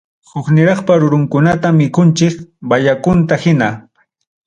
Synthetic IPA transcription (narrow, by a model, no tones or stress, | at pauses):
hʊknɪɾɑχpaɾʊɾʊŋkʊnat̪amːɪkʊnt͡ʃɪkbaʎakʊnt̪ahɪna